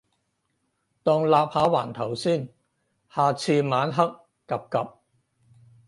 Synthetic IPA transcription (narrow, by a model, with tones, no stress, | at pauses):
t̪ɔː˧ŋlaː˨p̚haː˨˧˥wa̰ː˨˩nt̪ʰɐ˨˩wsiː˥˩n | haː˨˧t͡sʰiː˧maː˨˥nɦɐ˥k̚ːɐ˨p̚kɐ˨p̚